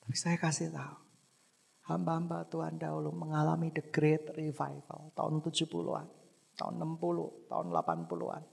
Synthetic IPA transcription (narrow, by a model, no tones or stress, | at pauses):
t̪ḁpisajakasihlau | hambaɦambat̪ua̰ndaɦuluməŋalamidəɡɾet̪rifa̰jvə̰lt̪a̰ʊ̰nt̪ud͡ʒupṵlṵa̰n | t̪a̰ʊ̰nːəmpulṵht̪a̰ʊnla̰panpulṵa̰n